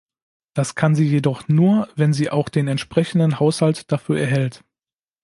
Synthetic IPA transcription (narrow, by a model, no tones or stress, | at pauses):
d̥askʰanziːjedɔχnuːɐvɛnziːʔaʊxd̥eːnɛntʃpʁ̥ɛçn̩dən̩haʊshaltd̥afyːɐɛɐɦɛlt